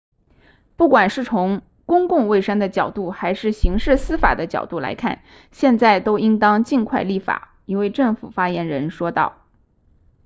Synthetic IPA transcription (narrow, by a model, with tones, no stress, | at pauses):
pu˥˩kwa˨˩nʂɻ̩˥˩t͡sʰʊ˧˥ŋ | kʊ˥ŋkʊ˥˧ŋwe˥˩ɪʂə˥ŋd̪ə˨t͡ɕjɑ˨˩ʊt̪u˥˩xa˧˥ɪʂɻ̩˥˩ɕi˧˥ŋʂɻ̩˥˩sɹ̩˥fa̰˨˩d̪ə˦t͡ɕjɑ̰˨˩ʊt̪u˥˩la̰˧˥ɪkʰa̰˥˩n | ɕjɛ˥˧nt͡sa˥˩ɪt̪o˥ʊi˥ŋt̪ɑ˥ŋt͡ɕi˥˧nkʰwa˥˧ɪli˥˩fa̰˨˩˦ | i˧˥nwe˥˧ɪʈ͡ʂɤ˥˩ŋfu˨˩fa˥jɛ˧˥nɻə˧˥nʂwɔ˥t̪ɑ˥˩ʊ